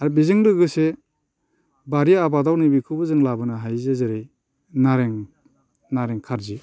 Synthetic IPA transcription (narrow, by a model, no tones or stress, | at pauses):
aɾbizɯŋdɯɡɯse | baɾijaabadawnibikʰɯbɯzɯŋlabɯnaɦajzezeɾej | naɾeŋ | naɾeŋkʰaɾzi